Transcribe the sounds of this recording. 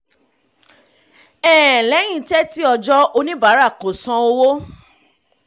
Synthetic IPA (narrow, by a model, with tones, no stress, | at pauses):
ɛː˨lɛ˨˦j̃ĩ˧tɛ˦ti˦ɔ˧d͡ʒɔ˦o˧nĩ˦ba˨˦ɾa˦˨ko˨sɔ̃˧o˧wo˦